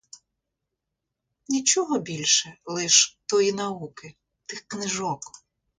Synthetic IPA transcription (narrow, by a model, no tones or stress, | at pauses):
nʲit͡ʃɔɦɔbʲilʲʃɛlˠɪʃt̪ɔjinɐukɪ | t̪ɪxknɪʒɔk